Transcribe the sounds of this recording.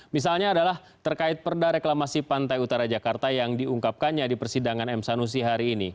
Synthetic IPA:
mis̬alɲaːdalah | t̪ərkaɪt̪̚pərdaɾeklamasipant̪ajut̪aɾad͡ʒakart̪ajaŋdiuŋkap̚kanɲadipərsidaŋanɛmsanus̬iɦaɾiːni

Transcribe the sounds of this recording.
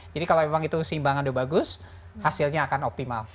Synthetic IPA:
d͡ʒadikaloemaŋit̪usimbaŋandobaɡʊs | hasilɲaːkanɔp̚t̪imal

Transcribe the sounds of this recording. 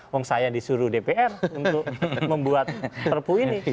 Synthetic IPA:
wɔŋsajadisuɾudepeʔɛruntt̪ʊkməmbuat̪̚pərpuinni

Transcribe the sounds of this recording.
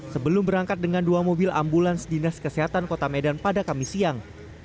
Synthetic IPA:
səbəlʊmbəɾaŋkat̪̚dəŋanduamobɪla̰mbulansdinaskəseɦat̪ankot̪amedanpadakamisiaŋ

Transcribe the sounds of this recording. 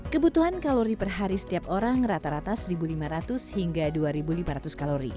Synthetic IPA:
kəbut̪uhankaloɾipərɦaɾisə̥t̪iap̚oɾaŋrat̪aɾat̪asribulimaɾat̪ʊshiŋɡaduaɾibulimaɾat̪uskaloɾḭ

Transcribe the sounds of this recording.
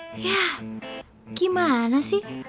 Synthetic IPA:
ja | kimaɦanasi

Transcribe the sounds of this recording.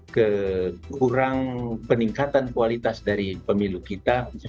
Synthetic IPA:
kəkuɾaŋpəniŋkat̪ankualit̪asdaɾipəmilukit̪a

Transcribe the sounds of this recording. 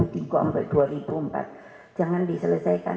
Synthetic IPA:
ud̪iɡɔʔə̰mpad̪̥uaɾib̥uəmpa̰t̪̚ | d͡ʒ̥aŋandisələsajka̰

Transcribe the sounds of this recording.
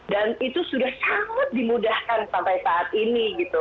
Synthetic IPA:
danit̪usudahsaŋat̪̚dimudahkansampajsaʔat̪iniɡit̪u

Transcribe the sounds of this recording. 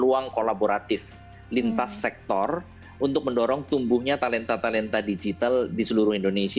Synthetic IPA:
luaŋkolaboɾat̪ɪf | lint̪asːɛk̚t̪ɔr | unt̪ʊk̚məndɔɾɔŋt̪umbʊhɲat̪alɛnt̪at̪alɛnt̪adid͡ʒit̪aldisəluɾʊhindonesi

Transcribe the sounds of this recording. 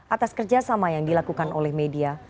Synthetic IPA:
ʔat̪askərd͡ʒasamajaŋdilakukanolɛhmedia

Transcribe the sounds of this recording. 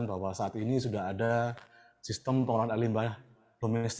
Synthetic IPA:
nbawasaat̪inisudaɦada | sist̪əmpəŋɔɾanalimbah | d̥omɛst̪

